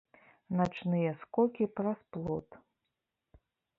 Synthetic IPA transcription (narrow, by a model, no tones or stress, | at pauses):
nat͡ʂnɨjɛskɔkʲiprasplˠɔt̪